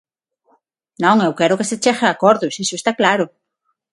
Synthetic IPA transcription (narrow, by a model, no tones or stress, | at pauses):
nõŋewkeɾokeset͡ʃexeakoɾðosisoest̪aklaɾo